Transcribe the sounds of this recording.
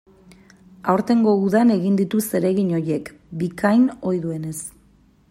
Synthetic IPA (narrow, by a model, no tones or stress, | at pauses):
awɾt̪e̞ŋɡo̞uðane̞ɣind̪it̪use̞ɾe̞ɣiɲo̞je̞kbikʰajno̞jðue̞ne̞s